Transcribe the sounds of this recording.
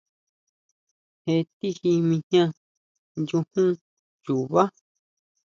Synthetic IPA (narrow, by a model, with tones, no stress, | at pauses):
he˧t̪i˦hi˧mĩ˧ɲɲã˦ | nju˧hũ˦ | ju˨βa˦